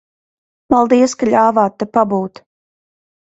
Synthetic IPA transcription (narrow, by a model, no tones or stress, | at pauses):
palˠd̪iɛskaʎʲaːvaːt̪ːɛpabuːt̪